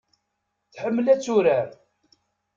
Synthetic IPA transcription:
θħəmːəlæt͡sːuɾæɾ

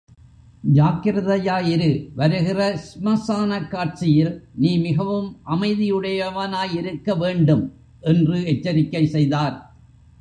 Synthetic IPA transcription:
d͡ʒaːkɪɾɐðɐjaːjɪɾɯʋɐɾɯɣɪrɐsɪmɐsaːnɐkːaːʈ̚t͡ʃɪjɪlniːmɪɣɐʋɯmʔɐmɐɪðɪjɯɽɐjɐʋɐnaːjɪɾɯkːɐʋeːɳɖɯm | ʔɛndrɯɛt͡ʃːɐɾɪkːɐɪsɛjðaːɾ

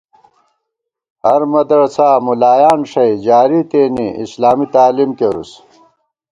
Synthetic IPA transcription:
hɐɾmɐd̪ɾsaːmulaːjaːnʂɐjd͡ʑaːɾit̪eːniḭslaːmit̪aːlimkeɾṵs

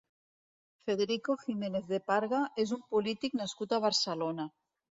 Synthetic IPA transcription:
feðeɾikoximeneθðepaɾɣaʔez̬umpolit̪iknaskut̪aβ̞aɾsalona

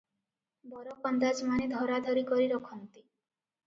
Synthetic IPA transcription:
bɔɾɔpɔnd̪ad͡ʒmaned̪ʱɔɾad̪ʱɔɾikɔɾiɾɔkʰɔnt̪i

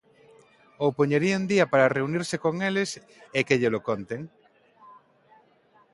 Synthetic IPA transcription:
opoɲeɾiund̪iapaɾareuniɾsekoŋeles | ekeʎelokont̪eŋ

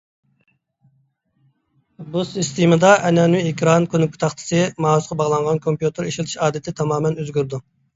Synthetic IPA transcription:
busist̪ʰimɨd̪ɑʔɛnɛnwiekʲʰɾɑnkʰʲønɪkʰʊ̥t̪ʰɑχt̪ʰɨ̥sɨmɑːusqɑbɑʁlˠɑɴʁɑnkʰompjut̪ʰɨɾeʃilt̪ʰi̥ʃɑːd̪ɪt̪ʰɪt̪ʰɑmɑːmɛnøzɡʲyɾd̪u

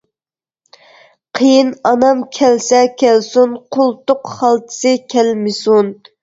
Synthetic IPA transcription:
qʰəjinɑnɑmkʲʰɛlsɛkʲʰɛlsunqʰʊlˠt̪ʊqχɑlˠt̪ʰɨ̥sɨkʲʰɛlmɪsun

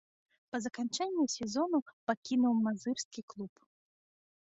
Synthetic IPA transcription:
pɐzɐkant͡ʂɛnʲːusʲɛzɔnupakʲinuwmazɨrsʲkʲiklˠup

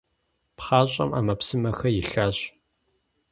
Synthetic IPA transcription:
pχɑːɕʼɐ̰mʔa̰ːmɐpsɨmɐxɐjɪɬaːɕ

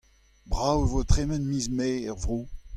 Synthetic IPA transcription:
bʁawevot̪χemɛ̃nmiːzmeːɛʁvʁoː

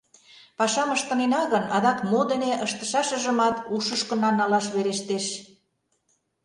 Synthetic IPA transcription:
pɑʃɑməʃt̪ə̆nenɑɣənɑd̪ɑkmod̪əneʔəʃt̪ə̥̆ʃɑʃə̆ʒə̆mɑt̪uʃəʃkɤ̆nɑnɑlɑʃβeɾeʃt̪eʃ

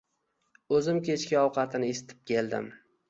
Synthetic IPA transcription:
ɵzɪmkʲe̞t͡ʃkʲaɒwqʰɑt̪ʰɪnɪesɪ̥t̪ʰɪ̥p̚kʲe̞lˠd̪ɪ̰m

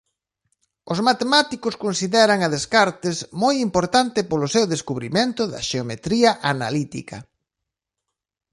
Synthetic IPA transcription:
ʊzmat̪emat̪ikʊskonsiðɛɾɐŋɐðeskaɾt̪ezmojimpoɾt̪ant̪ɪpolʊsewðeskuβɾiment̪ʊðɐ̰ʃeomet̪ɾiɐʔana̰lit̪ḭkɐ̰

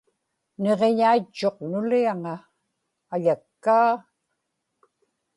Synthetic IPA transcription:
ne̞ʁeɲait͡ʃːo̞qnʊliaŋaː | ʎakːaː

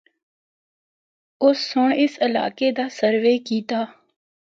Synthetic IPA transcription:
ʊsːʊɳɪsɪla̰ːkeːd̪aːsəɾʋeːkiːt̪aː

